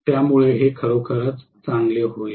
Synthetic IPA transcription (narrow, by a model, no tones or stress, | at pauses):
t̪jamuɭeɦekʰəɭokʰəɾət͡s | t͡saŋɡleɦoe